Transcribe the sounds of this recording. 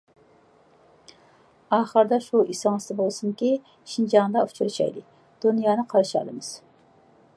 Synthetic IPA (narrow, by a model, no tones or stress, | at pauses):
ɑːχəɾd̪ɑʃuisɨŋɨst̪ɨbolˠsuŋkʲi | ʃind͡ʒɑŋd̪ɑu̥t͡ʃʰuɾt͡ʃʰɑ̰jlɨ | d̪̥unjɑːnɨqʰɑɾʃɑlˠɨ̰mɨz̥